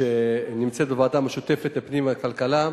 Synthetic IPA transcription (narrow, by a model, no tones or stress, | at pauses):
enimt͡set̪̚bevaːdameʃut̪e̞fe̞tlepnimakalkala